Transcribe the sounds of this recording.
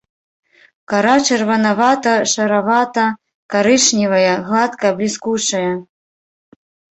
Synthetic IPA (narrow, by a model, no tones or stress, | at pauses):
kaɾat͡ʂɐrvɐnavat̪ɐʂɐɾavat̪ɐ | kaɾɨʂnʲivɐjɐɣlˠat̪kɐblʲiskut͡ʂɐjɐ